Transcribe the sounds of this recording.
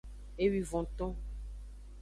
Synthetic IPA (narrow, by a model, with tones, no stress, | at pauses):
e˦wi˨vɔ̃˨t̪ɔ̃˦